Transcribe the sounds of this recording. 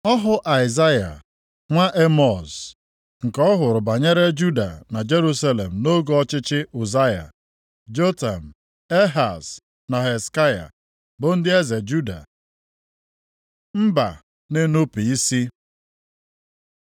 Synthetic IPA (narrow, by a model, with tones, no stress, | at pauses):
ɔ˦ɦʊ˦ʔa˨ɪ˨za˦ja̰˨ | ŋʷa˦ʔe˦mɔ˨z | ŋ̩˨kɔ˦ɦʊ˨ɾʊ˨ba˨ɲe˦ɾe˦d͡ʒu˦da̰˨na˨d͡ʒe˦ɾu˦sa˦le˨m̩˨no˦ɡo˨ɔ˦t͡ʃɪ˦t͡ʃɪ˦u˨za˦ja̰˨ | d͡ʒo˦ta˨m̩˨ | e˦ɦa˨s | na˨ɦe˨ska˦ja̰˨ | bʊ˨n̩˦dɪ˦e˦ze˨d͡ʒu˦da̰˨ | m̩˦ba̰˨ | ne˦nu˦pi˨i˦si˦